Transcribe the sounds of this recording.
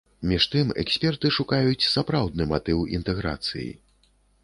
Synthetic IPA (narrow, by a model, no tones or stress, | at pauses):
mʲiʂt̪ɨmɛ̰ksʲpʲɛrt̪ɨʂukajut͡sʲsapɾawd̪nɨmat̪ɨwḭnt̪ɛɣɾa̰t̪sɨ̰jḭ